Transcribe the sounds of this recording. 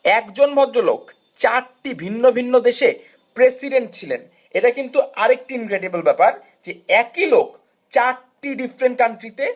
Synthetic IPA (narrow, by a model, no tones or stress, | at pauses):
ɛkd͡ʑonbʱɔd̪ɾolo̰k | t͡ɕaɾʈibʱinːobʱinːod̪eʃe | pɾesiɖeɳʈ̚t͡ɕʰilen | eʈakint̪uaɾek̚ʈiinkɾeɖibolbɛpaɾ | d͡ʑeɛkilok | t͡ɕaɾʈiɖifɾeɳʈ̚kaɳʈɾit̪e